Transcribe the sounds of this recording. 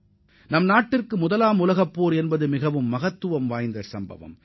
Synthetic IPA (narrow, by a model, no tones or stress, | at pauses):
nɐmnaːʈːɪrkɯmʊðɐlaːmʊlɐɣɐpːoːɾɛnbɐðɯmɪɣɐʋɯmːɐɣɐt̪ːɯʋɐmʋaːjnd̪ɐsɐmbɐ̰ʋɐ̰m